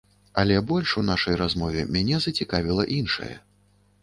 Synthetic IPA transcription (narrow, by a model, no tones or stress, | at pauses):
ɐlʲɛbɔlʲʂunaʂɐjrazmɔvʲɛmʲanʲɛzɐt͡sʲikavʲilˠɐʔinʂɐ̰jɛ̰